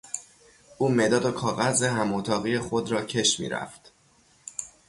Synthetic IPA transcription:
ʔuːmed̪ɒːd̪okʰɒːɣæzeɦæmot̪ʰɒːɣijexo̞d̪ɾɒːcʰe̞ʃmḭːɾæ̰ft̪

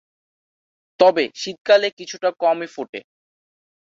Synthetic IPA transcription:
t̪ɔbeʃit̪̚kalekit͡ɕʰuʈakɔmifoʈḛ

